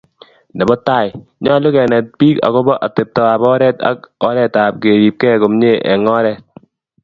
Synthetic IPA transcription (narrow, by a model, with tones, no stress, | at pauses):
dɛ˨bɔ˦ta˦˨jɲɔ˦lʊ˦kɛ˨nɛ˨t̚piː˦ka̰˨kɔ˦bɔ˦ʔa˨te˨p̚tɔ˨a˨bɔ˦ɾɛ˦ta̰˦kɔ˦ɾɛ˦ta˨p̚ke˨ɾi˨p̚kɛ˦ko˨mɲe˦ʔɛ̰˨ŋɔ˦ɾɛ˦˨t̚